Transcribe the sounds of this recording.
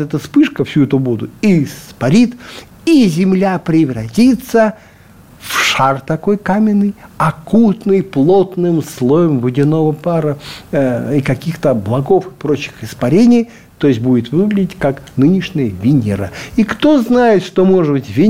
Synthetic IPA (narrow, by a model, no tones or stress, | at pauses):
ɛt̪əspɨʂkəfsʲuɛt̪ʊbod̪ʊispɐɾʲit̪ | izʲɪmlʲapɾʲɪvrɐtʲit̪sːə | fʂart̪ɐko̞jkamʲɪnːɨjɐkut̪nɨjplˠo̞t̪nɨmslˠo̞jəmvɨdʲɪno̞vəpaɾə | ikɐkʲixt̪əblˠɐɡo̞fɨpɾo̞t͡ɕːɪ̥xɪspɐɾʲenʲɪj | t̪o̞jɪsʲt̚ʲbudʲɪt̪vɨɡlʲɪdʲɪtʲkaknɨnʲɪʂnʲɪjəvʲɪnʲɪɾə̰ikt̪o̞znajɪt̪ʂt̪omoʐɨd̪bɨtʲvʲɪ